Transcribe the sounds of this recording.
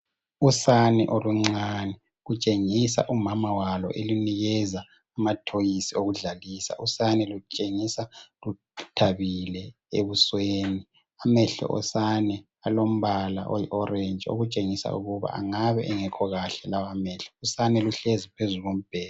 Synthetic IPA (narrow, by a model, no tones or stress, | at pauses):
usanɛʔoluŋ͡ǀanɛ | ɣut͡ʃʼeŋisa̰ʔumamawalɔ̰ʔeluniɣɛzaː | matʰojisioɣuɮalisa̰ʔusanɛlut͡ʃʼeŋisalu | tʰaβilɛ | ḛβusweːni | amɛɬɔ̰ʔɔ̰sanɛ | alom̩βala̰ʔojiʔɔrend͡ʒʱʼio̰ɣut͡ʃʼeŋisa̰ṵɣuβa̰ʔa̰ŋaβɛʔɛŋɛkʰɔɣaɬɛlawamɛɬɔ̥usanɛluɬezipʰezuɣom̩b̥ʱɛːla